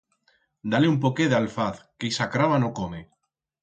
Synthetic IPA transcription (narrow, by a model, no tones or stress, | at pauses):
d̪aleump̬okeðealfaθkejsakɾaβanokome